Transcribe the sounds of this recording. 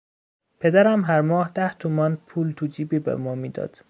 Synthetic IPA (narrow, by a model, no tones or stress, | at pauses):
pʰed̪æɾæmɦæɾmɒːhd̪æht̪ʰumɒːnpʰuːlt̪ʰud͡ʒiːbiːbḛmɒːmiːd̪ɒ̰ːd̪̥